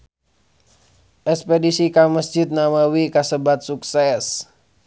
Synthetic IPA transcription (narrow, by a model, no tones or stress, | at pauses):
ʔɛkspedisikaməsd͡ʒit̪̚namawikasəbat̪̚suksɛs